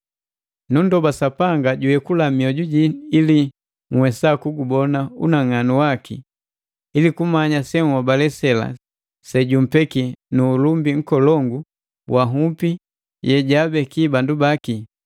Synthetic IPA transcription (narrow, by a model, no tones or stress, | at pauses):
nundɔbasapaŋɡaɟuɛkulamiɔɟuɟiːli | ŋwɛsakuɡubɔnaṵnaŋanuwakḭ | ilikumaɲasɛŋwabalɛsɛla̰ | sɛɟum̩pɛkinuːlumbiŋ̩kɔlɔŋɡu | wʔaɦupi | jʔɛɟabɛkibandubaki